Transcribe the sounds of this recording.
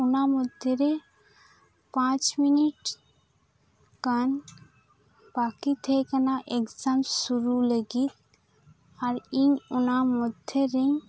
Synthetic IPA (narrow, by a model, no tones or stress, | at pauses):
unamɔd̪ʱjeɾe | pãt͡ʃminiʈ | kan | b̥akit̪ʰɛkanaʔekzamsuɾuləɡit̪̚ | aɾiɲunamɔd̪ʱjeɾeɲ